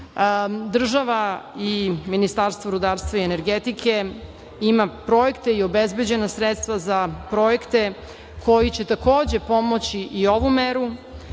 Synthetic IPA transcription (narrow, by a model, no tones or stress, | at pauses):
d̪r̩ʒaʋaiminist̪aɾst̪voɾud̪aːɾst̪ʋaiene̞ɾɡet̪ikʰe̞ | imapɾo̞je̞kt̪e̞io̞bezbe̞d͡ʑe̞nasɾet̪st̪ʋazapɾo̞je̞kt̪e̞ | kʰo̞jit͡ɕe̞t̪ako̞ːd͡ʑe̞po̞mo̞t͡ɕiʔio̞ʋumeɾu